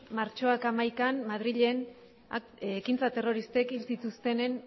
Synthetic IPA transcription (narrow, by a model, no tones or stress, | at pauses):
maɾt͡ʃo̞akamajkanmað̞ɾiʎe̞n̰ | kint͡sat̪e̞ro̞ɾist̪e̞kilsit̪ust̪e̞nen